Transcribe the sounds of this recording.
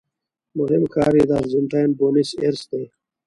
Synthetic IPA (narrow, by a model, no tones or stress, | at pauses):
muɦimkaːɾid̪aɾzunʈajnboːniseɾsd̪e